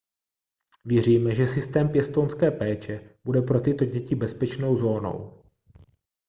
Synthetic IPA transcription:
vjɛr̝iːmɛʒɛsɪst̪ɛːmpjɛst̪onskɛːpɛːt͡ʃɛb̥udɛpɾo̞t̪ɪt̪o̞ɟɛcɪbɛspɛt͡ʃno̞wzo̞ːno̞̰w

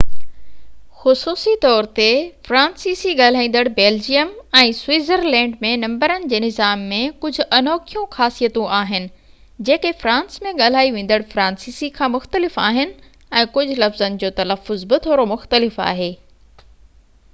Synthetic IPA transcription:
xʊsuːsit̪ɔːɾt̪efɾãːnsiːsiɠaːl̤aːĩːn̆d̪əɽbeːld͡ʑijəmɛ̃ːswiːzəɾlɛ̃ːɳɖmẽnɐ̃mbəɾənɪ̆d͡ʑeːnɪzaːmːẽkʊd͡ʑʱʊ̆ʔɐnɔːkʰijũxaːsijət̪ũʔaːɦɪnɪ̆ | d͡ʑeːkefɾãːnsmẽɠaːl̤aːiʋẽːn̆d̪əɽfɾãːnsiːsikʰãːmʊxt̪əlɪfaːɦɪnɪ̆ | ɛ̃ːkʊd͡ʑʱʊ̆lɐfzənɪ̆d͡ʑoːt̪ɐləfːʊzbɪt̪ʰoːɾomʊxt̪əlɪfa̰ːɦeː

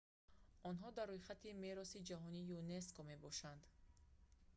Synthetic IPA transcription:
ɔnɦɔd̪arːojχat̪ime̞ɾɔsid͡ʒaɦɔnijune̞skome̞bɔʃand̪

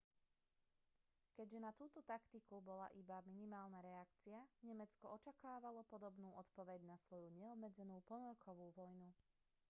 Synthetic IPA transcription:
kɛɟʒɛnat̪uːt̪ɔt̪akt̪ikubɔla̰ʔibaminimaːlnaɾɛakt͡siaɲɛmɛt͡skɔɔt͡ʃakaːʋalɔpɔd̪ɔbnuːʔɔt̪pɔʋɛɟnasʋɔjuɲɛɔbmɛd͡zɛnuːpl̩nɔɾkʰɔʋuːʋɔjnu

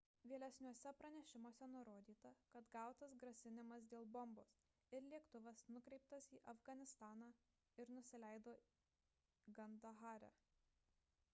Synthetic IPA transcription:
ʋʲiɛlʲɛsʲnʲuɔsʲɛpɾɐnʲɛʃʲɪmoɔsʲɛnʊɾoːd̪ʲiːt̪ɐkɐt̪ɡɑˑʊt̪ɐsɡɾɐsʲɪnʲɪmɐs̬d̪ʲeːlˠbɔmboːs | ɪɾlʲiɛkt̪ʊʋɐsnʊkɾʲɛɪp̚t̪ɐsiːʔɐfɡɐnʲɪst̪ɑːnɑː | ɪɾnʊsʲɪlʲæɪd̪oː | ɡɐnd̪ɐɣɑːɾʲɛ̰

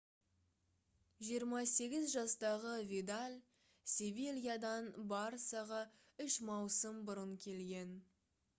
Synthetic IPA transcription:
ʒijəɾmɑse̞ɡʲɪzʒɑst̪ɑʁəved̪alʲ | sʲevelʲijad̪ɑnbɑɾsɑʁə | ʏʃmɑwsəmbʊɾəŋkʲʰe̞lɡʲe̞n

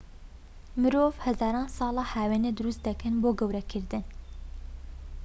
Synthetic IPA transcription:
mɨɾoːvhɛzɑːɾɑːnsɑːlɑːhæːweːned̪ɨɾust̪̚d̪ɛkɨnboːɡɛwɾɛkʰɨɾd̪ɨn

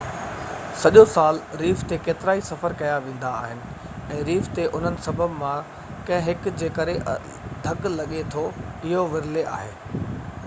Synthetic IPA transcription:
sɐʄosaːlɾiːft̪ekeːt̪ɪɾaːisɐfəɾkɐjaʋẽːn̆d̪aːɦɪnɪ̆ | ɛ̃ːɾiːft̪eʔʊn̤ənɪ̆sɐbʱəbmã | kɐ̃ɦɪ̃ɦɪkd͡ʑeːkɐɾeʔ | d̪ʱɐɡlɐɠet̪ʰoɪɦoʋɪɾɪleʔa̰ːɦḛː

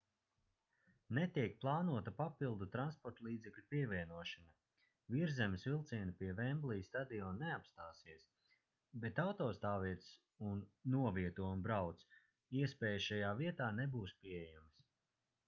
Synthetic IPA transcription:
net̪iɛk̚plˠaːnuɔt̪ɐpapilˠd̪ut̪ɾanspɔɾt̪lˠiːd̪zɛklʲupiɛvʲiɛnuɔʃana | viɾzɛmɪsvilˠt̪siɛnipiɛvɛmblˠijst̪ad̪iɔnnːeapst̪aːsiɛs | bɛt̪awt̪ɔːst̪aːviɛt̪s | unːuɔviɛt̪uɔmbɾawt̪s | iɛspɛːjʃajaːviɛt̪aːnebuːspiejams

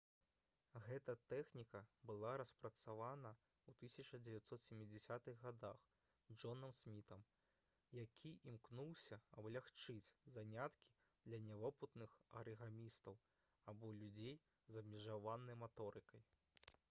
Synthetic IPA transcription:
ɣɛt̪ɐt̪ɛxnʲikɐbɨlˠaɾɐspɾɐt̪savanɐ | wt̪ɨsʲɐt͡ʂɐd͡zʲɛvʲjat̪sɔt̪sʲemʲːid͡zʲɛsʲat̪ɨɣɣad̪ax | d͡ʐɔnɐmsʲmʲit̪ɐm | jakʲʰiʔimknuwsʲɐɐblʲaxt͡ʂɨt͡sʲzanʲat̪kʲʰi̥ | d̪lʲɐnʲɛvɔput̪nɨxɐ̰ɾɨɣamʲist̪ɐw | abɔlʲud͡zʲej | zɐbmʲɛʐavanɐjmat̪ɔɾɨkɐj

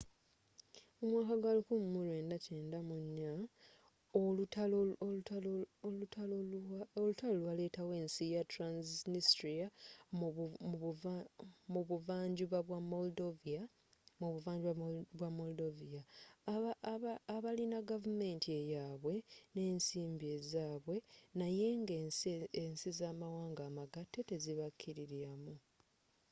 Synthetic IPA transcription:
omwaːkaɡalukummulwe̞ːndace̞ːndamuɲːa | olutalo | ualoolutalolwale̞ːtawe̞ːnsijatɾanznistɾia | muβuvaːɲɟuβaβwamoldovia | muβuvaːɲɟuβaβwamoldovija | βalinaɡavume̞ːntʰie̞jaːβwe̞ne̞ːnsiːmbie̞zaːβwe̞naje̞ŋɡensizaːmawaːŋɡaːmaɡatːe̞te̞ziβakʰːiɾiɾiɾamu

